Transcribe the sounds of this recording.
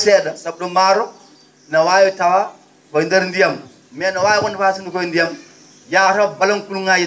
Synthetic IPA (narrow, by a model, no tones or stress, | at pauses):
sedasabdumaɾo | nawajotawa | kandaɾndijam | menawajukandafas̬indukondijam | jaɾabalankulŋaji